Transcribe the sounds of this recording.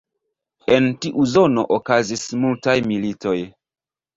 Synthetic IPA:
e̞ntiʔuzo̞no̞̰ʔokazismultajmilito̞j

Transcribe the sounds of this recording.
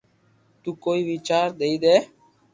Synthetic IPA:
t̪ũːkoːiːʋiːt͡ʃaːɾd̪eːiːd̪eː

